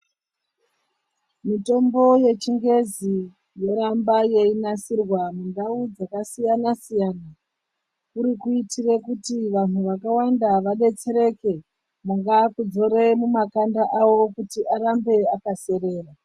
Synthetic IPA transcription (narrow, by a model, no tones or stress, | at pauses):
mito̞mbo̞je̞t͡ʃiŋɡe̞zi | je̞ɾambaje̞inasirwamundaud͡zakasijanasijaːna | kuɾikuitirekutiʋan̤uʋakawandaʋaɗe̞t͡se̞ɾe̞ke̞ | maŋɡakud͡zo̞ɾe̞mumakandaʔawo̞kutiʔarambe̞akase̞ɾe̞ːra